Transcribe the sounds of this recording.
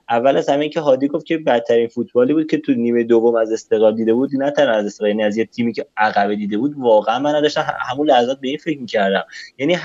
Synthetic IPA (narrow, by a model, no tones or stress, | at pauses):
ʔævːælæshæmijcʰeɦɒːd̪iɡo̞ft̪̚cʰe̞bæt̪ʰːæɾiːnfut̪ʰbɒːliːbuːd̪̚cʰe̞t̪ʰuniːmejed̪ovːomæze̞st̪eɣɒːld̪iːd̪e̞buːd̪næt̪ʰænæzest̪eɣjæːniæzjet̪ʰiːmiːcʰeʔæɣæbed̪iːd̪e̞buːd̪vɒːɣeænmænːæd̪ɒːʃt̪æm̰hæmunlæhæzɒːt̪̚beiːnfe̞cmiːcʰæɾd̪æmjæniː